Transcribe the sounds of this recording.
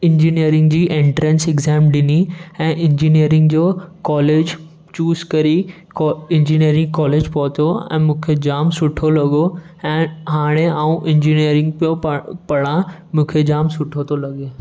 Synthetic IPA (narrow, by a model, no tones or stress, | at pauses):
ɪ̃ɲd͡ʑiːniəɾɪ̃ŋɡd͡ʑiːʔẽːɳʈɾə̃nsɪɡzɛːmɗɪniɛ̃ːʔɪ̃ɲd͡ʑinijəɾɪ̃ŋɡd͡ʑoːkɔːleːd͡ʑ | t͡ɕuːzkɐɾi | kːɪ̃ɲd͡ʑiːniəɾɪ̃ŋɡkɔːleːd͡ʑpɔːt̪ʰoɛ̰̃ːmũːkʰed͡ʑaːmsʊʈʰolɐɠo | ɛ̃ːɦaːɽ̃eaːũʔɪ̃ɲd͡ʑinijəɾɪ̃ŋɡ̚pijoppɐɽãmũːkʰed͡ʑaːmsʊʈʰot̪ʰolɐɠe